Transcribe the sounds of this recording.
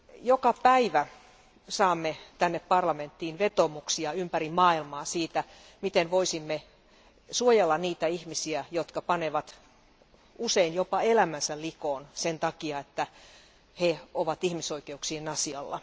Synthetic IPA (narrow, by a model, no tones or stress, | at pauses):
jokɑpæiʋæ | sɑːmːet̪ænːeppɑrlɑment̪ːiːnʋet̪omuksiɑympærimmɑːilmɑːsiːt̪æ | mit̪enʋoisimːe | suojelːɑnniːt̪æihmisiæjot̪kɑpɑneʋɑt̪ | useinjopɑelæmænsællikoːnsent̪ɑkiɑet̪ːæ | heoʋɑt̪ihmisoikeuksiːnɑsiɑlːɑ̰